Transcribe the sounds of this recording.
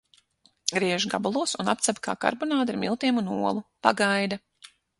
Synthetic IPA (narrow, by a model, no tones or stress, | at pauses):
ɡɾiɛʒɡabalˠuɔsunapt̪sabʲkʰa̰ːka̰ɾbɔnaːd̪iɾmʲilˠt̪iɛmunuɔlˠupaɡajd̪a